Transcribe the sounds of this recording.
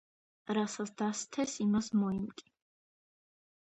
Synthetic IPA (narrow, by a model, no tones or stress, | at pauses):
ɾasat̪sʰd̪ast̪ʰɛsimasmɔimkʼi̥